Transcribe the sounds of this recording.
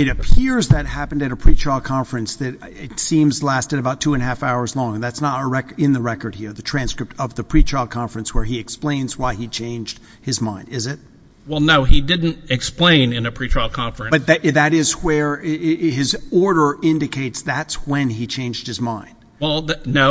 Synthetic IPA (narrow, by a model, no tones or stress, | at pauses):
ɨɾɨpʰɪɹzðɨt̚hæpn̩dɨɾɨpʰɹ̥it͡ʃalˠkʰɑ̃ɱfɹɨ̃nsðɨɾɪtsĩmzlæstɨɾɨbaʊtʰuɨ̃nɦæfaʊə˞zlɔ̃ŋðætsnəɾəɹɛkɪ̃nðɨɹɛkə˞d̚hiɹðɨtʰɹ̥æ̃nskɹɨp̚tʌvðɨpʰɹ̥it͡ʃʰalˠkʰɑ̃ɱfɹɨ̃nswə˞iɨksplẽɪ̃nzwaɪit͡ʃʰẽɪ̃nd͡ʒd̥ | hɨzmãɪ̃ndɪzɪt̚ | wɛlˠnoʊidɪdⁿn̩tɨksplẽɪ̃nɨ̃nɨpʰɹ̥it͡ʃʰɹ̥alˠkʰɑ̃ɱfɹɨ̃nbʌt̪̚ðɨðɨɾɪzwə˞ | ɪzɔɹɾə˞ɪ̃ndɨkʰeɪtsðætswɨ̃nit͡ʃʰẽɪ̃nd͡ʒd̚hɨzmãɪ̃nd̥wɛlˠnoʊ